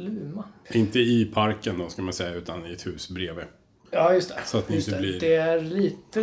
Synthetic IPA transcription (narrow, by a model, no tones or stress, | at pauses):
lʉ̟ːmaɪnt̪əɪpʰaɾkənd̪ɔskamansɛjːaʉ̟ːt̪anɪɛt̪hʉ̟ːsbɾeːve | ɑːjɵst̪ʰɛsɔat̪nɪɪnt̪ɛblɪɾd̪ɛæɾliːt̪ə